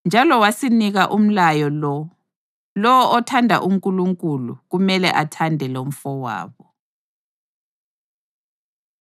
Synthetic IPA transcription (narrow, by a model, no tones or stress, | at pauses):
nd͡ʒʱalɔwasiniɣaʔum̩lajɔlɔ | lɔwɔʔɔtʰandʱa̰ʔum̩kʼuluŋkʼulṵɣumɛlɛ̰ʔatʰandʱɛlom̩fɔwa̰ːβɔ